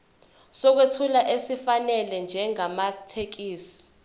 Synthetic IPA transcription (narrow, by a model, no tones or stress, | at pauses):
sɔk̬wetʰulaʔesifanɛlɛnd͡ʒʱɛŋamatʰek̬iːsi̥